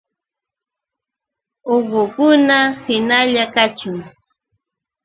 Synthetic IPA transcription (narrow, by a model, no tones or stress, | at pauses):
oɢʊkʊnahɪnaʎakat͡ʃʊŋ